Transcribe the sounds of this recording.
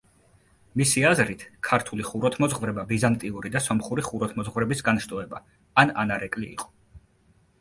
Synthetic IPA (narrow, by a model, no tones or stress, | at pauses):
misiazɾit̪ʰkʰaɾt̪ʰuliχuɾɔt̪ʰmɔzʁvɾɛbabizant̪ʼiuɾid̪asɔmχuɾiχuɾɔt̪ʰmɔzʁvɾɛbisɡanʃt̪ʼɔɛba | ana̰naɾɛkʼliḭqʼɔ̥